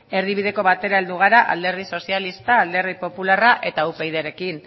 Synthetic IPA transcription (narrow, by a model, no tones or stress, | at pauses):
e̞ɾðiβ̞iðe̞ko̞βat̪e̞ɾae̞ld̪uɣ̞aɾaʔa̰ld̪e̞ɾðiso̞sialist̪aːld̪e̞ɾðipo̞pularaʔe̞t̪aupejðeɾe̞kin